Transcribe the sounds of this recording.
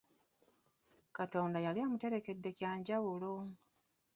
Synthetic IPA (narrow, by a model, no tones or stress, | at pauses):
kato̞ːndajaliaːmute̞ɾe̞ke̞dːe̞cjaːɲɟaβulo